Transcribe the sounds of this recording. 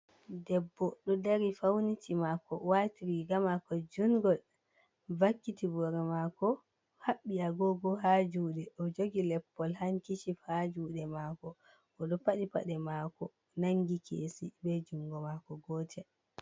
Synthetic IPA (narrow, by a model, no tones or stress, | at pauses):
dɛbːɔɗɔdaɾifawnitʰimakɔ̰watiɾiɡamakɔd͡ʒuŋɡɔl | vakːitibɔɾɛmakɔ | haɓːiaɡɔɡɔɦad͡ʒuːɗɛʔɔd͡ʒoɡilɛpːɔlhaŋkit͡ʃihad͡ʒuːɗɛmakɔ | ʔɔɗɔpaɗipa̰ɗɛmakɔ | naŋɡikʰesibɛd͡ʒuŋɡɔmakɔɡɔːtʰɛ